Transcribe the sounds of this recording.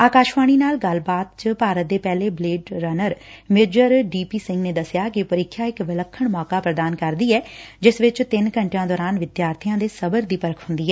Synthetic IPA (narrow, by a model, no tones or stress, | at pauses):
aːkaːʃʋaːɽ̃iːnaːlɡəlbaːt̪̚t͡ʃəpaːɾət̪̚d̪eːpɛːleːbleːɖɾənəɾmed͡ʒəɾɖiːpiːsɪ̃ŋɡneːd̪əsɪjaːkɪpəɾɪkʰːjaːɪkʋɪləkʰːəɳmɔːkaːpɾəd̪aːnkəɾd̪iːɛːd͡ʒɪsʋɪt͡ʃt̪ɪnkəɳʈjãːd̪ɔːɾaːnʋɪd̪jaːɾt̪ʰijãːd̪eːsəbəɾd̪iːpəɾəkʰɦʊ̃nd̪iːɛː